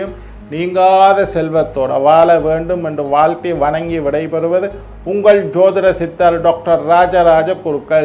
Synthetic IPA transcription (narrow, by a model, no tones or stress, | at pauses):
jɯm | niːŋɡaːðɐsɛlʋɐt̪ːoːɽɐ̰ʋaːlɐʋeːɳɖɯmɛndrɯʋaːɭt̪iʋɐɳɐŋɡiʋɪɽɐɪpɛɾɯʋɐðɯ | ʊŋɡɐɭd͡ʒoːðɪɾɐsɪt̪ːɐɾɖoːk̚ʈɐɾːaːd͡ʒɐɾaːd͡ʒɐkːʊɾɯkːɐɭ